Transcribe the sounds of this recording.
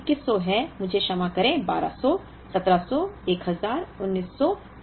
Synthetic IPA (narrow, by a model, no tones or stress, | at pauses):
kɪsɔɦɛmʊd͡ʒʱeʃɐmakɐɾẽːba̰ːɾa̰sɔ | sɐt̪ɾasɔeːkɦɐzaːɾʊnːiːsːɔ